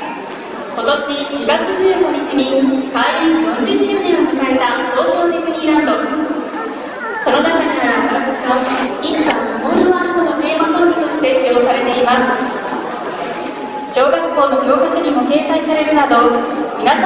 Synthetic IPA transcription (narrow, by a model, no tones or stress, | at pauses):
ko̞t̪o̞ɕiɕiɡat͡sɨʑɨːɡo̞ɲ̟it͡ɕiɲ̟ikaːɾʲibɯ̃ɲd͡ʑɨɕːɨːnẽɰ̃mɯ̟kae̞t̪at̪o̞ːkʲo̞ːt̪et͡sɨɲ̟ʲiːɾãnd̪o̞ | so̞no̞nakaɲiɾakaksimoisãsɨmoːɾɯaɾɯkonot̪e̞ːmasoːɾʲit̪o̞ɕi̥t̪e̞ɕijo̞ːsaɾe̞t̪e̞imasɨ̥ | ɕo̞ːɡakːo̞ːno̞kʲo̞ːkɯʑoɲ̟imo̞ke̞ːsaisaɾe̞ɾɯ̟nad̪o̞mʲina